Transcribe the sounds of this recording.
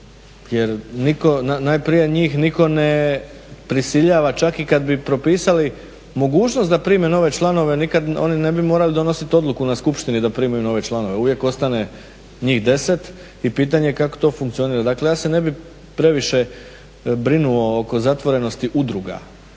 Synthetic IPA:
jeɾniko̞nanajpɾije̞ɲiːxniko̞ne̞ | pɾisiʎaːʋat͡ʃakikad̪bipɾo̞piːsali | mo̞ɡuːt͡ʃnost̪d̪apɾiːme̞no̞ʋe̞t͡ʃlˠano̞ʋe̞nikad̪o̞̰nine̞bimo̞ːɾalid̪o̞no̞sit̪o̞d̪lˠukunaskupʃt̪inid̪apɾiːmajuno̞ʋe̞t͡ʃlˠano̞ʋe̞uʋje̞ko̞st̪ane̞ | ɲiːxd̪e̞se̞t̪ | ipiːt̪̬aɲekako̞̥t̪o̞ːfuŋkt̪sio̞niːɾad̪akle̞jaːse̞ne̞bi | pɾe̞ʋiʃe̞ | bɾinuo̞oko̞zat̪ʋo̞ɾe̞no̞st̪iʔud̪ɾuɡa̰

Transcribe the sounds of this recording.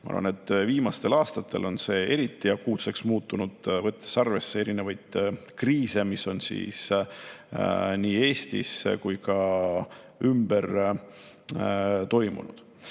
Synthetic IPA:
mɑɑ̰r̰vɑ̰net̪ːˑviːmɑst̪e̞lɑːst̪ɑt̪ːˑe̞̰lʔo̞nse̞e̞ɾit̪ːˑijɑkuːt̪se̞ksmuːt̪ːˑunud̪̥vɤt̪ˑːesɑrve̞sːee̞ɾine̞vɑjd̪̥kriːse̞misːo̞nsḭːs | niːe̞ːst̪ḭskujkɑ | ymb̥e̞r | t̪o̞jmṵnṵd̪̥

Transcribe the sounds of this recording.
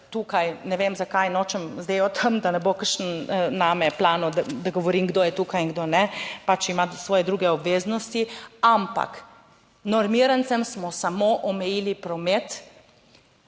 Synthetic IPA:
t̪uːkajnɛʋemzakajnɔt͡ʃəmzd̪eːjɔt̪ʰəmd̪anɛbokəɾʃnnaːmɛplaːnɔd̪ad̪aɡɔʋɔɾiːmɡd̪ojɛt̪uːkajiŋɡd̪onɛpat͡ʃimasʋɔːjɛd̪ɾuːɡɛɔbʋeːznɔst̪iampa̰k | nɔɾmiɾant̪sɛmsmɔsamoʔɔmɛjiːlipɾɔmet̪

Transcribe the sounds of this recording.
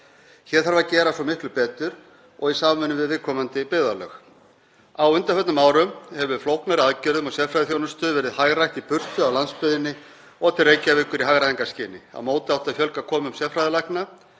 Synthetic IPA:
çɛɾ̥θaɾvacɛːɾasɔmɪht̪lʏpɛːt̪ʏɾ | ɔɣisaːmvʏnʏvɪðvɪðkʰɔːmant̪ɪpɪːðalœ̰ːx | awʏnt̪afœt̪nʏmaːwɾʏmhɛvʏflowknaɾɪaðcɪɾðʏmɔsjɛfɾajðɪθjownʏst̪œðvɛːɾɪðhaɣrajht̪ipʏr̥t̪ʏawlanspʏðɪnːɪ | ɔt̪ʰɪrejcavɪkʏɾiɦaɣɾaiŋkascɪːnɪa̰moːwt̪ɪawt̪aðfjœlkakʰɔːmʏmsjɛfɾajðɪlajhkna

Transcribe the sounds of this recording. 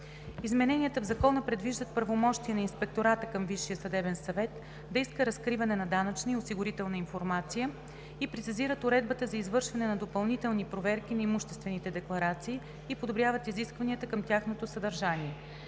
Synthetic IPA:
izmɛnɛniət̪əvzɐkɔnəpɾɛd̪viʒd̪ət̪̚pɾɐvomɔʃt̪iɛnɐinspɛk̚t̪oɾat̪əkɐmviʃːijəsɐd̪ɛbɛnsɐvɛt̪ | d̪ɐiskəɾɐskɾivɐnɛnɐd̪anət͡ʃniosiɡʊɾit̪ɛlˠnəinfoɾmat̪sijə | ipɾɛt̪siziɾət̪ʊɾɛd̪̚bət̪əzɐizvɤɾʃvɐnɛnɐd̪opɐlˠnit̪ɛlˠnipɾovɛɾkinɐimuʃt̪ɛst̪vɛnit̪ɛd̪ɛklˠɐɾat̪siː | pod̪obɾjavət̪iziskvɐniət̪əkɐmtʲjaxnot̪osəd̪ɐɾʒaniɛ

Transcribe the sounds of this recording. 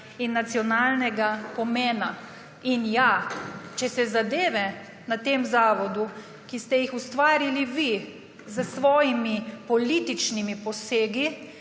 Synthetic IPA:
inːat̪sjɔnaːlnɛɡapɔmeːna | injat͡ʃɛsɛzad̪eːʋɛ | nat̪eːmzaːʋɔd̪u | kist̪ɛjixust̪ʋaːɾiliʋi | zəsʋɔːjimipɔlit̪it͡ʃnimipɔseːɡi

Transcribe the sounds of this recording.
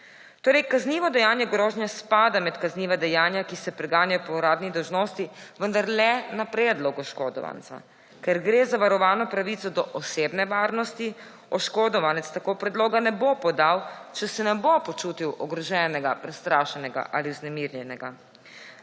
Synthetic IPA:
t̪oːɾɛjkazniːʋɔd̪ɛjaːnjɛɡɾoːʒnʲjaspaːd̪amɛt̪kazniːʋad̪ɛjaːnjakisɛpɾɛɡaːnjapɔuɾaːd̪nid̪ɔwʒnoːst̪iʋənd̪aɾlɛnapɾɛːd̪lɔɡɔʃkoːd̪ɔ̰ʋa̰nt̪sa̰ | kɛɾɡɾeːzaʋaɾɔʋaːnɔpɾaʋit̪sɔd̪ɔʔɔseːbnɛʋaːɾnɔst̪i | ɔʃkoːd̪ɔʋanɛt̪st̪akoːpɾɛd̪loːɡanɛbopɔd̪awt͡ʃɛsɛnɛbopɔt͡ʃuːt̪iwʔɔɡɾɔʒɛːnɛɡapɾɛst̪ɾaːʃɛnɛɡa̰ʔaliwznɛmiɾjɛnɛɡa

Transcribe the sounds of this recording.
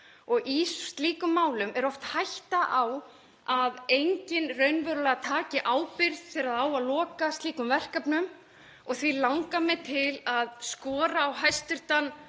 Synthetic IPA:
ɔɣisst̪liːkʏmːaːwlʏmʔɛɾɔft̪hajht̪aʔaw | aðejɲcɪnrœɥnvœɾʏlɛɣat̪ʰaːcɪʔaːwpɪɾðfɛːɾaðaːwaðlɔːkast̪liːkʏmvɛr̥kapnʏm | ɔɣθvilawŋkamɛt̪ʰɪlaðskɔːɾaːwɦajst̪ʏɾ̥t̪anː

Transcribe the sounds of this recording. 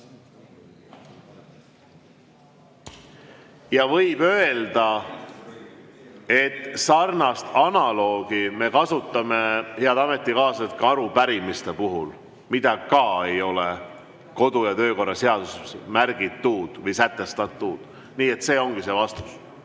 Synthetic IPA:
jɑvɤ̞jb̥ø̞e̞ld̪ɑ | e̞t̪ːsɑrnɑst̪ɑnɑlo̞ːɡ̥ime̞kɑsut̪ːˑɑme̞he̞ɑd̪ɑme̞t̪ːˑikɑːset̪̚kɑɑɾupæɾimist̪e̞puɦul | mid̪̥ɑkɑe̞jo̞le | ko̞d̪ujɑt̪ø̞ːko̞rːɑse̞ɑd̪̥usmæɾɡ̥it̪ːuːd̪̥vɤjsæt̪ˑːe̞st̪ɑd̪t̪ːuːd̪̥ | niːe̞t̪se̞ːo̞ŋɡ̥ise̞ːvɑst̪u̥s

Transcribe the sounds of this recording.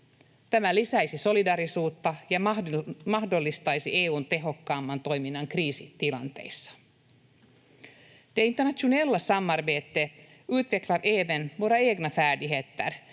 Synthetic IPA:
t̪æmælisæjsiso̞lidɑːɾisuːt̪ːɑjɑmɑhdo̞lːist̪ɑjsieːuːnt̪e̞ɦo̞kːɑːmːɑnt̪o̞jminːɑŋkriːsit̪ilɑ̰nt̪e̞̰jsːɑ̥ | d̥eint̪ːenæt̪ʃunelːɑsɑmːɑrbeːt̪ːe | ʉːt̪ʋeklɑɾʔeːʋenmuɾɑeːɡnɑfæːdiɦet̪ːæ̰r

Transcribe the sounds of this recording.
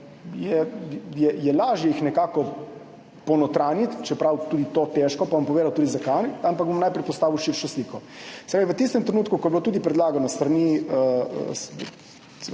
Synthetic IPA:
jɛjɛjɛlaːʒjɛjixnɛkaːkɔ | pɔwnɔt̪ɾaːnjit̪t͡ʃɛpɾawt̪ud̪it̪ot̪eʃkɔpaʋampɔʋeːd̪awt̪uːd̪izakanampakɡ̚bomnajpɾɛjpɔst̪aːʋiwʃiɾʃɔsliːkɔsɛ̥pɾaːʋiʋət̪ist̪ɛmt̪ɾenuːt̪̚kukɔjɛblot̪uːd̪ipɾɛd̪laːɡanɔst̪ɾaniə̰s

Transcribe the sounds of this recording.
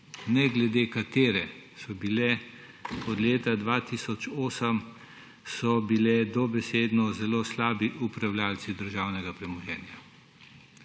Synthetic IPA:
nɛɡlɛd̪eːkat̪eːɾɛsɔbilɛ | ɔd̪leːt̪ad̪ʋat̪iːsɔt͡ʃoːsəm | sɔbilɛd̪ɔbɛseːd̪nɔzɛloːslaːbiʔupɾawlʲjaːlt̪sid̪əɾʒaːwnɛɡapɾɛmɔjɛːnja

